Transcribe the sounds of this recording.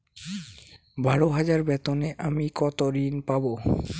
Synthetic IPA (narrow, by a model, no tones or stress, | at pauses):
baɽoɦad͡ʑaɾbɛt̪oneʔamikɔt̪oɾinpabo